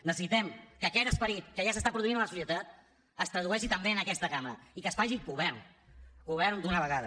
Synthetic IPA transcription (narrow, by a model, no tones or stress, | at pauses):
nəsəsit̪ɛmkəːkɛt̪əspəɾit̪kəʒasəst̪apɾuðuinələsusjət̪at̪ | əst̪ɾəð̞uɛʃit̪əmbeənəkɛst̪əkamɾə̰ikəsfaʒiɡuβɛɾn | ɡuβ̞ɛɾnd̪unəβəɣaðə